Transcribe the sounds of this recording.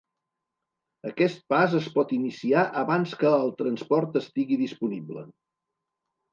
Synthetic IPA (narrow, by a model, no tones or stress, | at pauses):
əkɛst̪̚pazəspɔt̪inisiaʔəβanskəːlˠt̪ɾənspɔɾt̪əst̪iɣiðispuniblə̰